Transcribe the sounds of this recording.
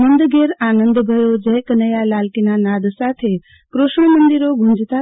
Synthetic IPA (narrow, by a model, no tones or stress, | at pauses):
mənd̪ɡeɾanənd̪bʱəjod͡ʒəjkənəjalalkinanad̪sat̪ʰe | kɾoʃɳ̃əmənd̪iɾoɡʱũnd͡ʒt̪a